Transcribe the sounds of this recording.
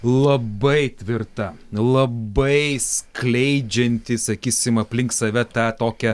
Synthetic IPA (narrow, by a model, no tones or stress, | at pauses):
lˠɐbɐɪt̪ʲʋʲɪrt̪ɐ | lˠɐbɐɪsklʲɛɪd͡ʒʲɛnʲt̪ʲɪsɐkʲiːsʲɪmɐpʲlʲɪŋkssɐʋʲɛt̪ɑt̪oːkʲɛ